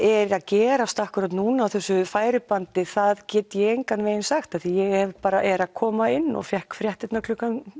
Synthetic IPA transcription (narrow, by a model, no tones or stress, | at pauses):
ɛɾaðcɛːɾast̪ahkʏɾat̪nuːnaːwθɛsːʏfaːjɾɪpant̪ɪθaðcɛːt̪jɛejŋkanveːjɪnsaxt̪aθijɛɣɛvpaːɾaʔɛɾakʰɔːmaɪnːɔ̰ɣfjɛhkfɾjɛht̪ɪt̪naklʏkːan